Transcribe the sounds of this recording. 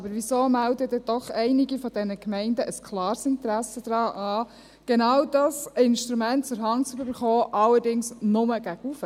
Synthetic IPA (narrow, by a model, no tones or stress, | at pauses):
ɑbəɾʋisoːmældəd̥ɛd̥ɔχɛɪnɪɡifɔd̥ɛnəkmɛɪndəʔəskʰlɑːɾsɪnt̪ɾæsəd̥̪ɾɑːʔɑː | ɡ̥enɑwd̥ɑsɪnʃtɾumæntt͡sʊɾɦɑŋt͡sybybəɾχɔːʔɑlːəɾdɪŋsnʊməɡ̥æɡ̥ufə